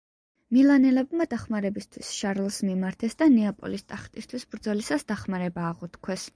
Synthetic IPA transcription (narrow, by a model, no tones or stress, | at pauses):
milˠanɛlɛbmad̪̥aχmaɾɛbist̪ʰwisʃaɾlˠsmimaɾt̪ʰɛsd̪anɛapʼɔ̰list̪ʼaχt̪ʼist̪ʰwisbɾd̪zɔlisasd̪aχmaɾɛbaːʁɔt̪ʰkʰwɛs